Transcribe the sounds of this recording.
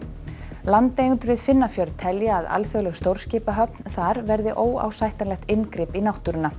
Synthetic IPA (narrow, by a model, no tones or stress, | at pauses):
lant̪ejɣʏnt̪ʏɾvɪðfɪnːafjœɾt̪ʰɛljaːða̰lfjœlɛɣst̪owɾ̥scɪːpaɦœp̚nθaɾvɛɾðɪʔoːwa̰wsajht̪anlɛxt̪ɪnkɾɪːpinawht̪ʏɾʏnːa